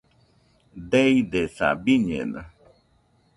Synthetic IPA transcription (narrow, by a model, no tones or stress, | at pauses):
d̪ejd̪esa̰biɲḛna̰